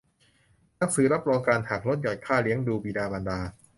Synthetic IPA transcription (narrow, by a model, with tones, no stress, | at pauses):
na˦˥k̚sɯː˨˩˦ɾa˦˥p̚ɾɔː˧ŋkaː˧nt̪ʰaː˨˩k̚lo˦˥t̪̚jɔː˨˩jkʰaː˥˩li˦əŋduː˧biː˧daː˧ba˧ndaː˧